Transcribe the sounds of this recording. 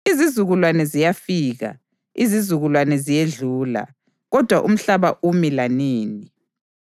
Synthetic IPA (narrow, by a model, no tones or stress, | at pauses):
izizuɣulwanɛzijafiːɣa̰ | izizuɣulwanɛzijeɮuːla̰ | ɣɔd̥ʱwa̰ʔum̩ɬaβaʔumilaniːni